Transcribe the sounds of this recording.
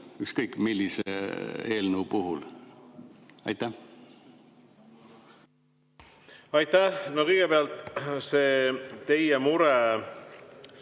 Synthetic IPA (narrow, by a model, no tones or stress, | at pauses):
ykskɤjkːmilːisḛeːlnuːpuɦul | ɑ̰jt̪ːˑæh | ɑjt̪æhnokɤjɡ̥epeɑlt̪seːt̪e̞jemuɾɛ